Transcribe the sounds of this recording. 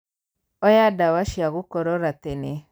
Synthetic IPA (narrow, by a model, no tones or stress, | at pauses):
ɔjadawaʃiaɣukɔɾɔɾatene